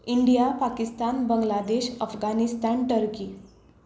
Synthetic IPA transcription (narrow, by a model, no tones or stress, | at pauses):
iɳɖijapakist̪anbəŋɡlad̪eɕəfɡanist̪anʈəɾki